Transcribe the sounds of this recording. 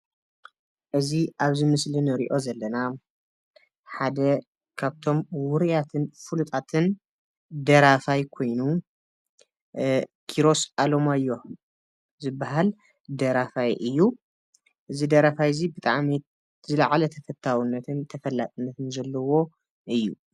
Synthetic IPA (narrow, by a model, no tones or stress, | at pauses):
ʔɨziʔaβzɨmɨslinɨɾḭʔo̞zɐlːɐna | ħad̪ɐ | kʰaβt̪ʰo̞mwʊɾijat̪ʰɨnfulut̪ʼat̪ʰɨn | d̪ɐɾafajkʰo̞jnu | kʰiɾo̞sʔalomajo | zɨbːaɦal | d̪ɐɾafajʔɨjːu | ʔɨzid̪ɐɾafajzibɨt̪ʼa̰ʕmi | zɨlaʕalɐt̪ʰɐfɐt̪ʰːawinːɐt̪ʰɨnt̪ʰɐfɐlːat̪ʼɨnːɐt̪ɨnzɐlːɐwo̞ | ʔɨjːṵ